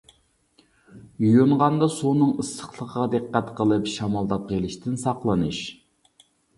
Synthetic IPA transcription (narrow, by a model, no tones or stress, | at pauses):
jujuɴʁɑnd̪ɑsonɨŋəsːə̥χlˠəqːɑd̪ɨqːæt̪qʰəlˠɨpʃɑmɑlˠd̪ɑp̚qelˠɪʃt̪ʰɪnsɑqlˠɨnɨʃ